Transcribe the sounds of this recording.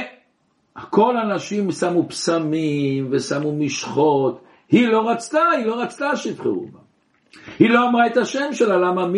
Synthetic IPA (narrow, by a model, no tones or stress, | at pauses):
ko̞lanaʃimsamupsamimvesamumiʃχo̞t̪ | hilo̞ʁat͡st̪ahilo̞ʁat͡st̪aʃitχṵṵba | hiloamʁaet̪aʃemʃelalamam